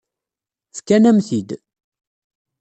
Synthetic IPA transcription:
θkːænæmθid̪

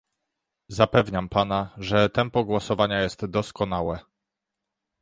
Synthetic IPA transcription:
zapɛvɲampanaʐɛt̪ɛmpɔɡwɔsɔvaɲajɛst̪d̪ɔskɔnawɛ

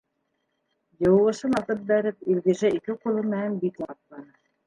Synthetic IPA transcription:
jɤ̆wɤʁɤ̆ʃɤnɑt̪ɤp̚bæɾɘp̚ilʲɡiʒæikɘqulˠɤmɘ̆nænbit̪mɑt̪lˠɑnɤ

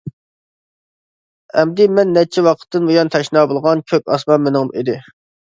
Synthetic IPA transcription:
ɛmd̪ɪmɛnːɛt͡ʃʰiwɑqʰə̥t̪ːɨnbojɑnt̪ʰɛʃnɑːbolˠʁɑnkʲʰøk̚ʲɑsmɑnmenɪŋmid̪ɪ

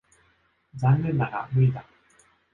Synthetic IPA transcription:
d͡zãnːẽ̞nːaɡa̰mɯ̟id̪a

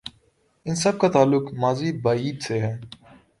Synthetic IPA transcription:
ɪnsɐb̚kat̪aːlːʊkmaːzibaːiːd̪seɦɛː

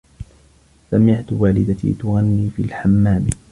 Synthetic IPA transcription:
samɪʕt̪ʊwaːlɪd̪at̪ḭːt̪ʊɣanːiːfḭːlħamːaːm

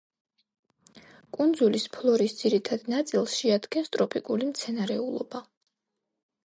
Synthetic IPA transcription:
kʼund̪zulispʰlˠɔɾisd̪z̥iɾit̪ʰad̪nat̪sʼilˠsʃɛad̪ɡɛnst̪ʼɾɔpʼikʼulimt̪sʰɛnaɾɛulˠɔba

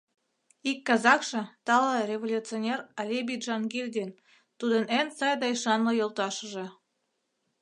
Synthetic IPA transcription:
ikːɑzɑkʃɤ̆t̪ɑlɑrʲevolʲut͡sɨonʲerɑlʲebʲiʒɑnɡelʲd̪ʲen | t̪ud̪ənensɑjd̪ɑjʃɑnlɤ̆jolˠt̪ɑʃə̆ʒĕ

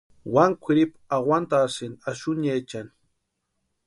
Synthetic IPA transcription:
waŋkʷʰɪɾipawant̪asɪnaʃʊɲajt͡ʃan

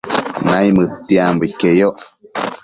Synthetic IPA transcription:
nãĩmɨt̪ːiambəkejoʔ

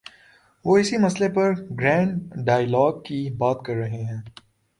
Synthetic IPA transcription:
ʋoːɪsimɐslepɐɾɡɾɛ̃ːɳɖɖaːjlɔːɡ̚kibaːt̪kɐɾːɐɦeɦɛ̃ː

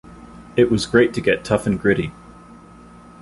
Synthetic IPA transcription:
ɪʔwɒzɡɹeɪtʰɨɡɛtʰʌfə̃nɡɹɪɾi

